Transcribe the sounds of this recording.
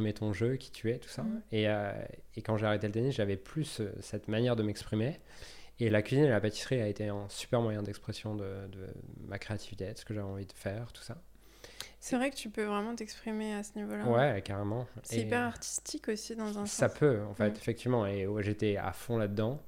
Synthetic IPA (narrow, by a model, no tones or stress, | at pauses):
pimet̪ɔ̃ʒøkʲʰi̥t̪ʰyɛt̪u̥saeø̰ekɑ̃ʒeaʁet̪elət̪enisʒavɛplyssɛt̪manjɛʁd̪əmɛkspχimeː | lakʲɥizinelapat̪i̥sχiaet̪eɑ̃sy̥pɛʁmwajɛ̃d̪ɛkspχesjɔ̃d̪əd̪ə̰makχeat̪ʰivit̪ed̪ə̥sə̥kəʒavɛɑ̃vid̪əfɛːʁt̪u̥sa | sɛvʁɛkət̪ypøvʁɛmɑ̃t̪ɛkspχimeasənivolawɛkaʁemɑ̃seɛipɛʁaʁt̪i̥st̪ʰikosid̪ɑ̃zɛ̃sapʰøɑ̃fɛt̪efɛk̚t̪ivmɑ̃eʒet̪ɛa̰fɔ̃lad̪əd̪ɑ̃